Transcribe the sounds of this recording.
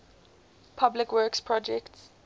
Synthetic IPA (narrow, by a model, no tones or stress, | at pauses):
pʰablɪkwɜkspʰɹɔd͡ʒɛkts